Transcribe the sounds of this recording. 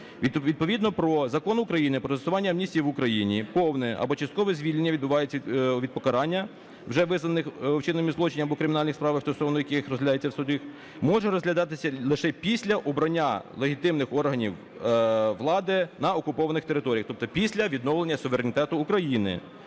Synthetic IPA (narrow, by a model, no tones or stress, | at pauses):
ʋʲiʋʲid̪̚pɔʋʲid̪nɔpɾɔzɐkɔnʊkɾɐjinɪpɾɔt̪esʊʋɑnʲːɐɐmnʲisʲtʲijiʋʊkɾɐjinʲipɔwnɛʔɐ̰bɔt͡ʃɐst̪kɔʋɛzʲʋʲilʲnʲːɐid̪bʊʋɑjet͡sʲʋʲid̪̚pɔkɐɾɑnʲːɐ | wʒɛʋɪznɐnɪxwt͡ʃɪnɔmʲizlˠɔt͡ʃɪnʲɐbɔkɾɪmʲinɑlʲnɪxspɾɑʋɐsɔsɔʋnɔjɐkɪxrɔzʲɦlʲɐd̪ajet͡sʲːɐwsʊd̪ʲix | mɔʒɛɾɔzʲɦlʲɐd̪ɑt̪ɪsʲɐlˠɪʃɛpʲisʲlʲɐʔɔbɾɐnʲːalˠeɦʲit̪ɪmnɪxɔrɦɐnʲiw | ʋlˠɑd̪ɪnɐɔkʊpɔʋɐnɪxt̪eɾɪt̪ɔɾʲijɐxt̪ɔpt̪ɔpʲisʲlʲɐʋʲid̪nɔwlˠenʲːɐsʊʋeɾenʲɪt̪ɛt̪ʊːkɾɐjinɪ̰